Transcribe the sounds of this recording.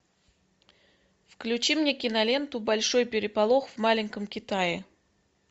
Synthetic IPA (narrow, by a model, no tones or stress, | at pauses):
fklʲʉt͡ɕimnʲe̞kʲɪnɐlʲe̞nt̪ʊbɐlʲʂo̞jpʲɪɾʲɪpɐlˠo̞xvmalʲɪnʲkəmkʲɪt̪ajɪ